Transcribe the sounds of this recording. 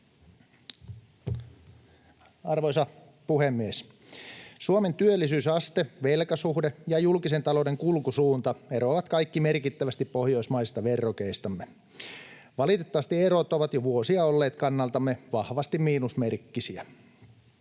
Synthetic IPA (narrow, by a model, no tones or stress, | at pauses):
ɑrʋoisɑ | puhemːies | suoment̪yølːisyːsɑst̪eʋelkæsuhdejɑjulkise̞nt̪ɑlodeŋkulkusuːnt̪ɑeɾoːʋɑt̪kɑikːimerkit̪ːæʋæst̪ippohjo̞ismɑist̪ɑʋerːokeist̪ɑmːe | ʋɑlit̪et̪ːɑʋɑst̪ieɾot̪ːoʋɑt̪joʋuosiɑolːeːt̪kɑnːɑlt̪ɑmːeʋɑhʋɑst̪immiːnusmerkːisiæ